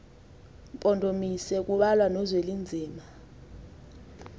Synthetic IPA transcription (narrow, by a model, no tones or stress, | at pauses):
mpʼɔndʱomisɛk̬uɓalwanɔzwelind͡zʱiːma